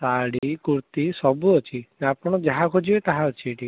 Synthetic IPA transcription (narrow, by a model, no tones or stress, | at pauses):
saɽikuɾt̪isɔbuɔt͡ʃʰiapɔɽ̃ɔd͡ʒaɦakʰod͡ʒibet̪aɦaɔt͡ʃʰiʈi